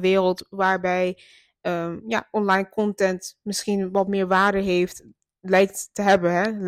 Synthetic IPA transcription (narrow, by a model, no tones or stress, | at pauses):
ʋɪːrəlˠtʋaːɹbɛj | əja̰ʔɔnlajnkɔntɛntmɪsxinʋɔtmɪːɹʋaːɹdəɦeːft | lɛjk̚ttəɦɛbənɦɛ